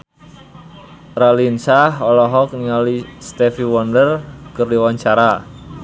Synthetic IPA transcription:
ralinsaɦɔlɔɦɔkniŋalist̪efiwɔndərkərdiwaɲt͡ʃaɾa

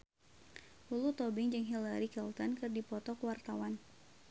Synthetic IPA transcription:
ulut̪ɔbɪŋd͡ʒəŋɦilaɾikɛlt̪ɔnkɨrdipɔt̪ɔkwart̪awan

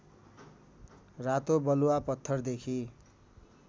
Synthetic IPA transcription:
rat̪obʌluwapʌt̪ʰːʌrd̪ekʰi

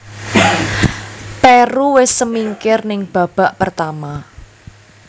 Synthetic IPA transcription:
pɛɾuwɪsːəmiŋkɪrnɪŋb̥ä̤b̥a̤ʔpərt̪ama

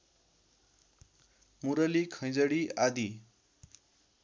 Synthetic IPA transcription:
muɾʌlikʰʌ̃j̃d͡zʌɽiad̪i

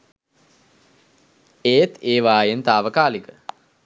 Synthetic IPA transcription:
eːt̪eːʋaːjent̪aːʋəkaːlikə

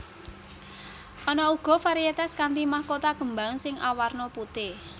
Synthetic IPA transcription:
ʔɔnɔuɡ̥ɔ̤faɾiet̪askant̪imahkot̪aɡ̥əmbaŋsɪŋʔawarnɔput̪ɪ

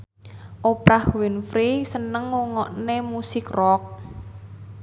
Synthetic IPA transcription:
ʔopɾahwinfɾisənəŋwuŋɔʔnemusɪkrɔk̚

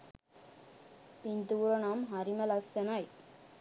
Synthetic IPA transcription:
pint̪uːɾɐnaːmɦɐɾimɐlɐsɐnaːj

